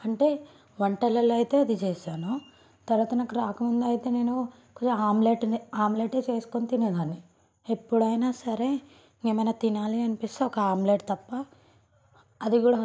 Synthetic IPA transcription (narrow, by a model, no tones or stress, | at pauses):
ɐɳʈe̞ː | ʋɐɳʈɐlɐlɐjt̪e̞ːɐd̪it͡ʃeːʃaːnu | t̪ɐɾʋaːt̪ɐnaːkuɾaːkɐmund̪ɐjit̪e̞ːne̞ːnu | kot͡ʃɐaːmleːʈaːmleːʈe̞ːt͡ʃe̞ːsu̥kont̪ined̪aːnːi | epːuɽɐjnaːsɐɾe̞ | neːmɐjnaːt̪inaːliɐnipist̪aɔkɐaːmleːʈt̪ɐpːɐ | ɐd̪iɡuːɽa